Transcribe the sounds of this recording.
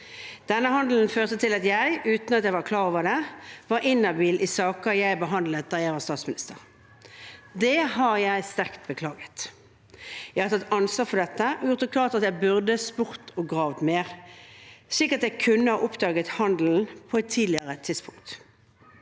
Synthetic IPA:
d̪̥ɛnːəɦɑnd̪l̩n̩føːʁt̪ət̪ʰɪlɑt̪jæɪʔʉːt̪nɑt̪jæɪʋɑkʰlɑːʁoːʋəd̪ɛʋɑɾʔɪnːɑbiːlʔɪsɑːkəjæɪbəɦɑnd̪lət̪̚d̪ɑːjæɪʋɑːst̪ɑːt̪smɪnɪst̪əʁ | d̪ɛhɑʁjæɪst̪æʁkt̪̚bəkʰlɑːɡət̪ | jæɪhɑʁt̪ʰɑt̪ːɑnsʋɑːʁfɔd̪ɛt̪ːəʔɔjʊʁt̪ɔk̪ʰɑːt̪ɑt̪jæɪbʉʁd̪əspʊʁt̪ʰɔɡʁɑːʋt̪meːʁ | sɭiːkəʁɑt̪jæɪkʰʉnːəhɑ̰ːʔʊpd̪ɑːɡət̪hɑnd̪l̩n̩pʰɔɛt̪ʰːiːlɪəʁət̪ʰɪspʰʊŋkt̪

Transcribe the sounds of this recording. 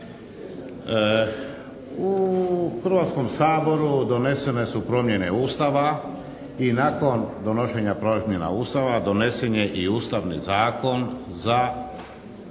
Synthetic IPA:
uxɾ̩ʋaːt̪sko̞msaːbo̞ɾud̪o̞ne̞se̞ne̞supɾo̞mje̞ne̞uːst̪aʋa | inako̞nd̪o̞no̞ʃe̞ɲapɾomʲje̞na̰uːst̪aʋad̪o̞ne̞seɲe̞ʔiuːst̪aʋnḭzaːko̞nza

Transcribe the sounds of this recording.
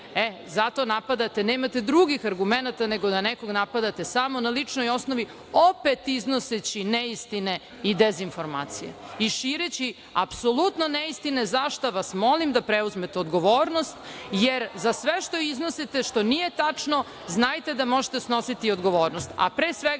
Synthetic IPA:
e | zat̪o̞napad̪at̪e̞neːmat̪ed̪ɾuɡixaɾɡumenat̪aneɡo̞d̪aneko̞ɡnapad̪at̪e̞saːmo̞nalit͡ʂnojo̞snoʋi | o̞pet̪izno̞set͡ɕineist̪ine | id̪ezinfo̞ɾma̰ːt̪sijḛiʃiːɾet͡ɕi | a̰psolˠut̪noneist̪inezaʃt̪oʋasmo̞limd̪apɾeuzmet̪eod̪ɡo̞ʋoːɾnost̪jeɾzasʋeʃt̪o̞iznosit̪e̞ʃt̪o̞nije̞t̪at͡ʂno̞ | znajt̪e̞d̪amo̞ʒet̪esno̞sit̪iod̪ɡo̞ʋoːɾnost̪a̰pɾeːsʋeɡa

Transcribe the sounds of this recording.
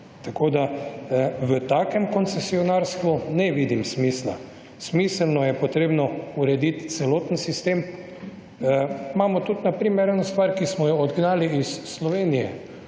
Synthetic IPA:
t̪akoːd̪a | ʋət̪aːkɛmkɔnsɛsiɔnaɾst̪ʋunɛʋiːd̪imsmisla̰ | smisəlnɔjɛpɔt̪ɾeːbnɔuɾɛd̪it̪t̪sɛloːt̪nsist̪eːm | maːmɔt̪ut̪napɾiːmɛɾɛnst̪ʋaːɾkismɔjɔɔd̪ɡnaːliisːlɔʋeːnijɛ̰

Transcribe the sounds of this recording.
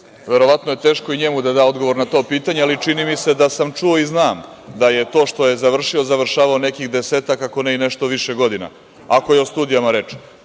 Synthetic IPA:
ʋe̞ɾo̞ʋat̪noje̞t̪e̞ːʃkoiɲe̞mud̪ad̪aːo̞d̪ɡo̞ʋo̞ɾnat̪o̞ːpiːt̪aɲealit͡ʃinimise̞d̪asamt͡ʂuoiznaːm | d̪aje̞t̪o̞ːʃt̪o̞je̞zaʋr̩ʃiozaʋr̩ʃaːʋaone̞kixd̪e̞se̞ːt̪akako̞neine̞ʃt̪oʋiʃeɡo̞d̪ina̰ | ako̞jeost̪uːd̪ijamaɾe̞t͡ʂ

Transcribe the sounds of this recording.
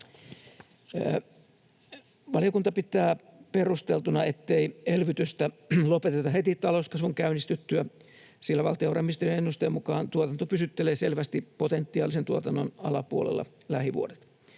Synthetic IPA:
ʋɑljokunt̪ɑpit̪ˑæːperust̪elt̪unɑet̪ːeielʋyt̪yst̪ælopet̪et̪ɑhet̪it̪ːɑlouskɑsʋuŋkæynist̪yt̪ːyæ | silːæʋɑ̰lt̪iorɑmːist̪ejenenːust̪eːmukɑːnt̪uot̪ɑnt̪opysyt̪ːeleːselʋæst̪ipot̪ent̪ːiɑːlisent̪uot̪ɑnːonɑlɑpuolḛlːɑ̰ | læhiʋṵodet̪

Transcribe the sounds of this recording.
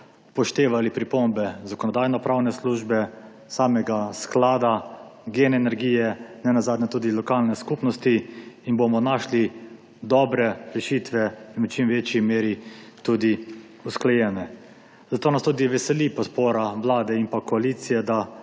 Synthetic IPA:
pɔʃt̪eːʋalipɾipombɛzakɔnɔd̪aːjnɔpɾawnɛsluʒbɛ | saːmɛɡasklaːd̪aɡeːnɛnɛɾɡiːjɛnɛnazaːd̪nɛt̪uːd̪ilɔkaːlnɛskupnɔst̪iːnbomɔnaːʃli | d̪ɔbɾɛɾɛʃit̪ʋɛinut͡ʃimʋeːt͡ʃimeːɾit̪uːd̪i | usklɛjɛːnɛ | zat̪oːnast̪uːd̪iʋɛsɛlipɔt̪poːɾaʋlaːd̪ɛimpakɔalit̪sijɛd̪a

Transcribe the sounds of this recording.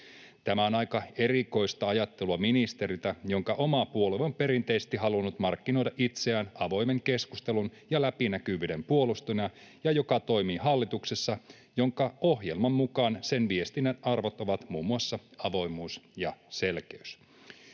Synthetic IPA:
t̪æmæo̞nɑjkɑe̞riko̞jst̪ɑɑjɑt̪ːeluɑminist̪e̞ɾit̪æjo̞ŋkɑʔo̞mɑpuo̞leompe̞ɾint̪e̞isest̪iɦɑlunːut̪mɑrkːino̞jdɑʔit̪seæːnɑʋo̞jme̞ŋke̞skust̪elunjɑlæpinækyʋyːde̞mpuo̞lust̪unɑ | jɑjo̞kɑt̪o̞jmiːɦɑlːit̪uksesːɑ | jo̞ŋkɑo̞ɦjelmɑmːukɑːnse̞nʋie̞st̪inːænʔɑrʋo̞t̪o̞ʋɑt̪muːmːuɑsːɑɑʋo̞jmuːsjɑse̞lk̟eys

